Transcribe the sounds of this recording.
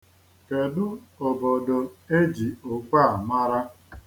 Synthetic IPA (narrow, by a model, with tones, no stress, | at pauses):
ke˨dʊ˦ | o˨bo˨do˨e˦d͡ʒi˨o˨kʷa˦a˨ma˦ɾa˦